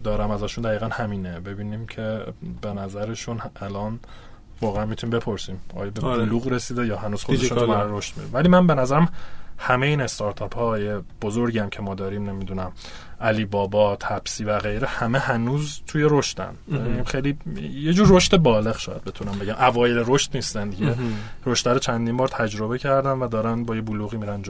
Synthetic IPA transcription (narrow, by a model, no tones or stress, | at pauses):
d̪ɒːɾæmæzæːʃund̪æɣiːɣænhæmiːnebe̞biːniːmcʰe̞be̞næzæɾe̞ʃunʔælɒːn | vɒːɣeænmit̪unimbe̞pʰo̞ɾsiːmɒ̰ːjɒbeluːɣɾesiːd̪ejɒːhænuːz̥xoeʃunʰmaɾoʃt̪mḭunvæliːmænbe̞næzæɾæmhæmejeiːnest̪ɒɾt̪ʰɒpʰhɒjeb̥o̞zoɾɟiæmcʰe̞mɒːd̪ɒːɾiːmne̞mid̪unæm | ʔæliːbɒːbɒːt̪ʰæb̥siːvæɣe̞jɾehæme̞hænuːzt̪ʰujeɾo̞ʃt̪æ̰nbeimxejlijed͡ʒuːɾːo̞ʃt̪e̞bɒːle̞ɣʃɒːjæd̪̚be̞t̪ʰunæmbe̞ɟæmʔævɒːjeleɾoʃt̪niːst̪ænd̪iɟeɾo̞ʃt̪æɾot͡ʃʰænd̪iːmbɒːɾt̪ʰæd͡ʒɾo̞be̞cʰæɾd̪ænvæd̪ɒːɾænbɒːje̞buluːɣimiːɾænd͡ʒ